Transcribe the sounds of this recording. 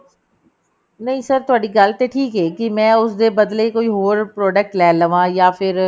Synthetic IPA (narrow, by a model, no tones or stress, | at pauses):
nɐɦĩsəɾt̪ʊaːɖiɡəlt̪eʈʰiːkɦɛːkimɛ̃ːʊsd̪ebəd̪lekoːiːɦoːɾpɾɔːɖək̚ʈlɛːləʋãːjaːpʰɪɾ